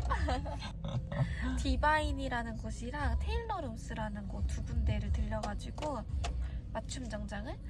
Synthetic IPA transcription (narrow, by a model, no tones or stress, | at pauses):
tibainiɾanɯnɡoɕʰiɾaŋtʰeiɭnʌɾɯms͈ɯɾanɯnɡotubunde̞ɾɯɭtɯʎːʌɡad͡ʑiɡo | mat͡ɕʰumd͡ʑʌŋd͡ʑaŋɯɭ